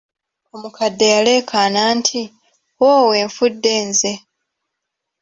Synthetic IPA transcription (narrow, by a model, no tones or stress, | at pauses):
omukʰadːe̞jale̞ːkʰanaːntʰi | woːwe̞ːɱfudːe̞ːnze̞